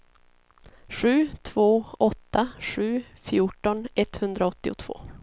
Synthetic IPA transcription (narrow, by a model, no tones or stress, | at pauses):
ɧʉ̟ːt̪ʰv̥oːɔt̪ːaɧʉ̟ːfjuːʈɔnɛt̪hɵnd̪ɾaɔt̪ːɪʊ̰t̪ʰv̥o̰ː